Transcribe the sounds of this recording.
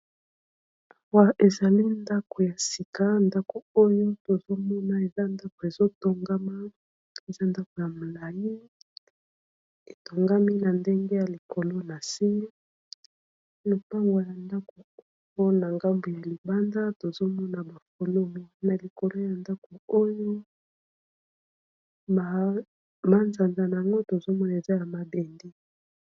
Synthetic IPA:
a˨wa˨ʔe˨za˨li˦nda˦ko˨ja˨si˨ka˦nda˦ko˨o˦jo˦to˨zo˦mɔ˦na˨e˨za˦nda˦ko˨e˨zo˦to˦ŋɡa˦ma˦ | e˨za˦nda˦ko˨ja˨mo˨la˨ji˦ | e˨to˨ŋɡa˦mi˦na˨nde˦ŋɡe˦ja˨li˨ko˨lo˦na˨si˦me˦ | no˨pa˦ŋɡo˨ja˨nda˦ko˨˦ | o˦na˨ŋɡa˦mbo˨ja˨li˨ba˦nda˦to˨zo˦mɔ˦na˨ba˨fo˨lo˦mo˨na˨li˨ko˨lo˦ja˨nda˦ko˨o˦jo˦ | a˨ | ma˦nza˨nza˨na˨a˨ŋɡo˦to˨zo˦mɔ˦na˨e˨za˦ja˨ma˨de˨ndi˦

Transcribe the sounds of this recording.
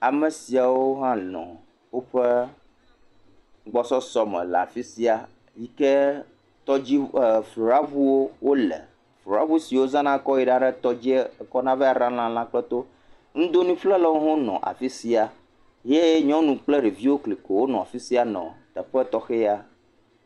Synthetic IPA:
a˨mɛ˨si˨a˨wo˦ɦã˦lɔ̰̃˨ | wo˦ɸɛ˦ | ɡ͡bɔ˦sɔ˦sɔ˦mɛ̰̃˨lɛ̰˨a̰˨fi˦si˦a˨ | ji˦kɛ˦ | t̪ɔ˦d͡ʑi˦˨flu˨ɾa˦vu˦wo˦wo˦lɛ̰˨ | flu˨ɾa˦vu˦si˨wo˦zã˦nã˦kɔ˦i˦ɖa˦ɖɛ˦t̪ɔ˦d͡ʑi˦kɔ˦nã˦vɛ˦a˨ɾã˦lã˦lã˦k͡plɛ˦t̪o˦ | ŋ̩̃˦d̪o˦nĩ˦flɛ˦lə˦wo˦ɦõ˦nɔ̰̃˨ʔa̰˨fi˦si˦a˨ | je˦ɲɔ̃˦nũ˨k͡plɛ˦ɖi˨vi˦wo˦kli˨ko˨wo˦nɔ̃˨a̰˨fi˦si˦a˨nɔ̰̃˨t̪ɛ˨ɸɛ˦t̪ɔ˦xe˦ja˦

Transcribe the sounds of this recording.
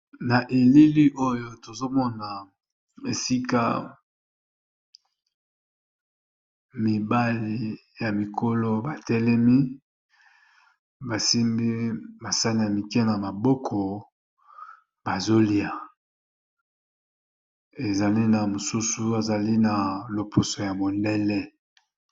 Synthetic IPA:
na˨ʔe˨li˦li˦ʔo˦jo˦to˨zo˦mɔ˦na˨ | e˨si˦ka̰˦ | mi˨ba˦li˨ja˨mi˨kʰo˦lo˦ba˨tɛ˦lɛ˦mi˦ | ba˨si˦mbi˦ba˨sa˦ni˨ja˨mi˨kɛ˦na˨ma˨bɔ˦kʰɔ˨ | b̥a˨zo˦li˨a˨ | e˨za˨li˦na˨mo˨su˦su˦a˨za˨li˦na˨lo˨pʰo˨so˨ja˨mo˨ndɛ˦lɛ˦

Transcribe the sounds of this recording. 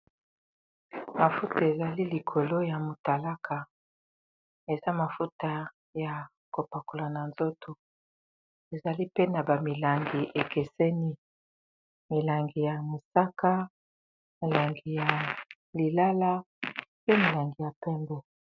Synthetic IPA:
ma˨fu˦ta˨e˨za˨li˦li˨kʰo˨lo˦ja˨mo˨ta˨la˦kʰa˨ | e˨za˦ma˨fu˦ta˨ | ja˨ | ko˨pa˨ko˨la˨na˨nzo˦tʰo˨ | e˨za˨li˦pe˦na˨ba˨mi˨la˨ŋɡi˨ʔe˨ke˨sɛ˦ni˦ | mi˨la˨ŋɡi˨ja˨mi˨sa˦ka˦ | mi˨la˨ŋɡi˨ja˨ | li˨la˦la˦ | pe˦mi˨la˨ŋɡi˨ja˨pɛ˦mbɛ˨

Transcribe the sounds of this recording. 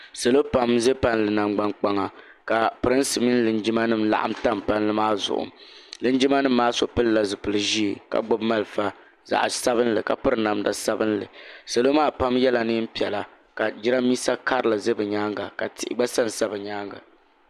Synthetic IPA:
se˨lo˦pa˦mze˦pa˦nlɨ˨na˨mɡ͡ba˦nk͡pa˨ŋa˨ | ka˨pɨ˨ɾɨ˦n˦sɨ˨mi˦n˦lɨ˨nd͡ʒɪ˦ma˦nɨ˦mla̰˨ʔa̰˦mta˦mpa˦n˦lɨ˦maː˦˨zʊ̰˨ʔʊ̰˨m˨lɨ˦nd͡ʒi˦ma˦nɨ˦m̩ː˦aː˦so˨pɨ˦lla˨zɨ˨pɨ˨lɨ˨ʒi˦˨ka̰˨ɡ͡bʊ˦bma˦lfa˦ | za̰˨ʔsa˦βɨ˦nlɨ˨ka̰˨pɨ˦ɾɨ˨na˨mda˦sa˦bɨ˦nlɨ̰˨se˨lo˦maː˦˨pa˦mjɛ˦la˨nɨ˦m̩˦pi˨ɛ˨la˨ | ka˨d͡ʒɪ˦ɾa˦miː˦sa˦ka˦ɾɨ˨la˨ze˦bɨ˨ɲaː˦ŋɡa˨ka˨tɪ̰˨ʔɪ̰˨ɡ͡ba˦sa˦n˨sa˦bɨ˨ɲaː˦ŋɡa̰˨

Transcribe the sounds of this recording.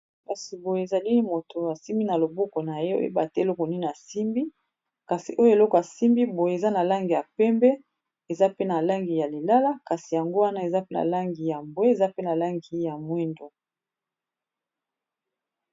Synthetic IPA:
ka˨si˨bo˨je˨e˨za˨li˦mo˨to˨a˨si˦mbi˦na˨lo˨bo˦ko˨na˨je˦o̰˦ḛ˦ba˨te˦˨lɔ˦ko˨ni˦na˨si˦mbi˦ | ka˨si˨ʔo˦jo˦e˨lɔ˦kɔ˨a˨si˦mbi˦bo˨je˨e˨za˦na˨la˦ŋɡi˨ja˨pɛ˦mbɛ˦ | e˨za˦pe˦na˨la˦ŋɡi˨ja˨li˨la˦la˦ka˨si˨ja˨ŋɡo˦wa˦na˦e˨za˦pe˦na̰˨la˦ŋɡi˨ja˨mbwe˦e˨za˦pe˦na˨la˦ŋɡi˨ja˨mwe˦ndo˨

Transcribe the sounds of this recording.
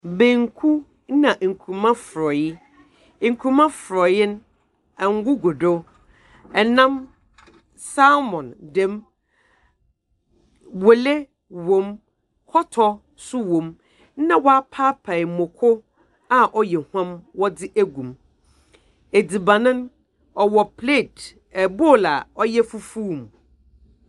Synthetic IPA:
bẽ˨ŋ˦kʰu˦ | nã˨ŋ̩˨kʰu˨mã˦fɾɔ˨jɪ˦˨ | ŋ̩˨kʰu˨mã˦fɾɔ˨jɪ˦n˦ | ɛ̃˨ŋ˦ɡʊ˦ɡo˨do˦ | ɛ˨nã˦m | sa˦mɔ̃˨ndɛ̃˦m | wo˨le˦ | wõ˨m | hɔ˦tʰɔ˦ | sʊ˦wõ˨m˦ | nã˦wɔ˦a˦pʰa˦pʰa˨mõ˨kʰʊ˦ | a˦ʔɔ˦jɛ˨hã˦mwɔ˦dɪ˦ʔæ˦ɡũ˨m | e˨di˨bã˨nʊ̃˦n | ɔ˨wɔ˨pʰle˦˨t | ɛ˨bo˦˨la̰˨ɔ˦jɛ˦fu˦fu˦˨m˨

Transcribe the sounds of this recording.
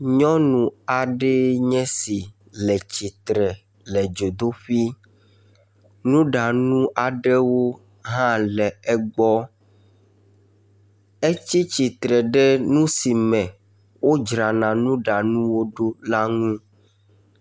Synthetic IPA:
ɲɔ̃˦nũ˨a˨ɖɛ˦ɲɛ̃˦si˨ | lɛ˨t͡ɕi˨t̪ɾɛ˨ | lɛ˨d͡ʒo˨d̪o˦ɸi˦ | nũ˦ɖa˨nũ˦ʔa˨ɖɛ˦wo˦ | ɦã˦lɛ˨ɛ˦ɡ͡bɔ˦ | e˦t͡ɕi˦t͡ɕi˨t̪ɾɛ˨ɖe˦nũ˦si˨mɛ̃˨ | wo˦d͡ʒɾa˨nã˨nũ˦ɖa˨nũ˦wo˦ɖo˦la˦ŋũ˦

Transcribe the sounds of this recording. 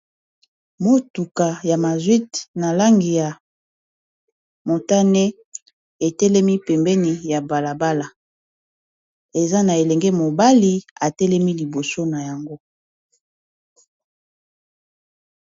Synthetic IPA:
mo˦tu˨ka˨ja˨ma˨zwi˦tna˨la˦ŋɡi˨ja˨ | mo˨ta˦ne˦ | e˨tɛ˦lɛ˦mi˦pɛ˨mbɛ˦ni˨ja˨ba˨la˨ba˦la˨ | e˨za˦na˨e˨lɛ˨ŋɡɛ˦mo˨ba˦li˨a˨tɛ˦lɛ˦mi˦li˨bo˨so˦na˨ja˨ŋɡo˦

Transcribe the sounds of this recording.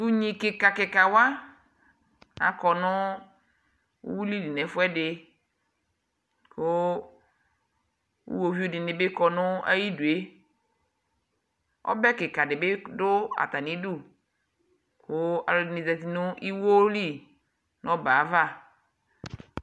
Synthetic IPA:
tu˦ɲĩ˨kɪ˨ka˨kɪ˨ka˨wa˦ | a̰˨kɔ˨nʊ̃˦ | wu˦li˦di˨nɛ̃˨fʊ˦ɛ˦ɖɪ˨ | kʊ˦ | ṵ˦wo˨vi˦u˦dɪ˨nɪ̃˨be˦kɔ˨nʊ̃˦a̰˦ji˦du˨e˦ | ɔ̰˦bɛ˦kɪ˨ka˨dɪ˨bɪ˦dʊ˦a̰˨t̪a˨nĩ˨˦du˦˨ | kʊ˦a̰˨lo˨nĩ˨zɛ˨t̪i˨nʊ˦ʔi˦wo˦li˦˨ | nɔ̃˦ba˨˦va˦˨

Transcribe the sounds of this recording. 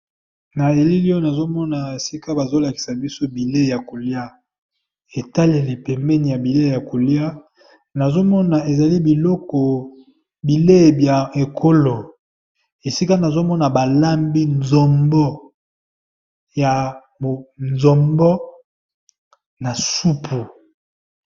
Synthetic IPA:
na˨e˨li˦li˦o˦na˨zo˦mɔ˦na˨e˨si˦ka˦ba˨zo˦la˨ki̥˨sa˨bi˦so˦bi˨le˦˨ja˨ko˨li˦a˦ | e˨ta˦le˨le˨pɛ˨mbɛ˦ni˨ja˨bi˨le˦˨ja˨ko˨li˦a˦ | na˨zo˦mɔ˦na˨e˨za˨li˦bi˨lɔ˦kɔ˨ | bi˨le˦˨bja˨e˨kʰo˦lo˨ | e˨si˦ka˦na˨zo˦mɔ˦na˨ba˨la˦mbi˦nzɔ˨mbɔ˦ | ja˨ | o˨nzɔ˨mbɔ˦ | na˨su˦pʰu˨

